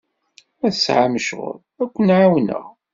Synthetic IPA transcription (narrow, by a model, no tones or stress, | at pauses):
æsʕaməʃʁʊ̰ɾˤ | ækʷːənʕawnə̰ʁ